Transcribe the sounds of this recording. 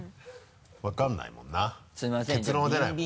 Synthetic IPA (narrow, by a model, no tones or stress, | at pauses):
βakãnːa̰ḭmõ̰nːasɨimaske̞t͡sɨɾõad̪e̞nai